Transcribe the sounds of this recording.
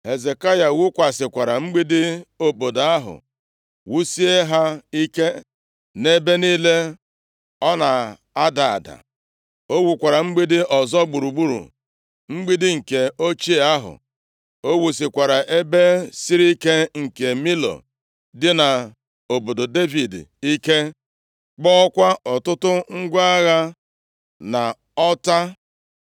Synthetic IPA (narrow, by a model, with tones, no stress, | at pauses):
he˨ze˨ka˦ja˨wu˦kʷa˨sɪ˨kʷa˨ɾa˨ŋ͡m̩˦ɡ͡bi˦dɪ˦o˨bo˨do˨a˦ɦʊ̰˨ | wu˦si˦e˦ɦa˦i˦ke˦ | ne˦be˦niː˦le˦ | ɔ˦na˨ | a˦da˨a̰˨da̰˨ | o˦wu˨kʷa˨ɾa˨ŋ͡m̩˦ɡ͡bi˦dɪ˦ɔ˨zɔ˦ɡ͡bu˨ɾu˨ɡ͡bu˦ɾṵ˨ | ŋ͡m̩˦ɡ͡bi˦dɪ˦ŋ̩˨ke˨o˦t͡ʃi˦e˨a˦ɦʊ̰˨ | o˦wu˨si˨kʷa˨ɾa˨ʔe˦be˦si˦ɾi˦ke˦ŋ̩˨ke˨mi˦lo̰˨ | dɪ˦na˨ | o˨bo˨do˨de˦vi˨di˦ke˦ | k͡pɔ˦ɔ˦kʷa˦ɔ˨tʊ˦tʊ˦ŋ̩˦ɡʷa˦ɣa˦ | na˨ | ɔ˦ta˦